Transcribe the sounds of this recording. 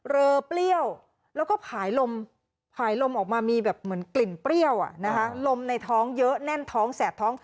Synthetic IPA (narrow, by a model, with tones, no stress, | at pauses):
ɾɤː˧pli˥˩əw | lɛː˦˥wkɔː˥˩pʰaː˩˦jlo˧m | pʰaː˩˦jlo˧mʔɔː˨˩k̚maː˧miː˧bɛː˨˩p̚mɯ˩˦ənkli˨˩npli˥˩əwʔa̰˨˩na˦˥kʰa˦˥lo˧mna˧jt̪ʰɔː˦˥ŋjɤ˦˥ʔnɛ˥˩nt̪ʰɔː˦˥ŋsɛː˨˩t̪ʰːɔː˦˥ŋ